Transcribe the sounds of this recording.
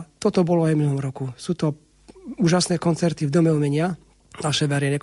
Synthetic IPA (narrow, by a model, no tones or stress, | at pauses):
t̪ɔt̪ɔbɔlɔajvminuɦɔmɾɔkusuːt̪ɔ | uːʒasnɛːkɔnt͡sɛɾt̪ivd̪ɔmɛɔmɛɲɪa | naʃɛʋɛɾɪɛnɛk